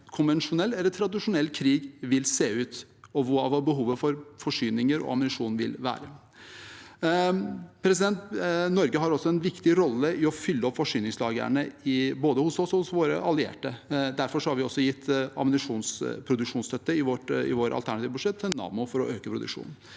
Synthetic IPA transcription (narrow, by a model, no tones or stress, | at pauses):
kʰʊnʋɛnʂʊnɛlːɛlːət̪ʰɾɑd̪ɪʂʊnɛltkʰɾiːɡʋɪlseːʉːt̪ɔʋʊɑʋɑbəɦuːʋəfɔɾfɔʂyːnɪŋəɾɔ̰ɑmənɪʂuːnʋɪ̰lʋæ̰ːɾə | pʰɾɛs̬ɪd̪ɛnt̪nɔɾɡəɦɑɾɔsːɔɛnʋɪkt̪ɪɾɔlːəʔɪɔfʏlːəɔpfɔʂyːnɪŋslɑːɡə̰ɳəɪboːd̪əhʊsɔsɔhʊsʋoːɾə̰ʔɑlːɪḛːʈəd̪æɾfɔʂɔhɑɾʋɪɔsːɔjɪt̪ːɑ̰mənɪʂuːnspʰɾʊd̪ʉkʂuːnst̪œt̪ːəɪʋɔʈɪ̰ʋoːɾʔɑ̰lt̪ʰæɳɑt̪iːʋəbʉʂɛt̪ʰːɛnːɑ̰ːmʊfɔɾɔøːkəpʰɾʊd̪ʉ̰kʂṵːnn̩